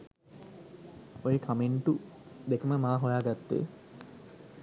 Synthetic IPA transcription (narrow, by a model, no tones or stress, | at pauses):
ojekʰameɳʈud̪ekəməmaːɦojaːɡat̪ːḛː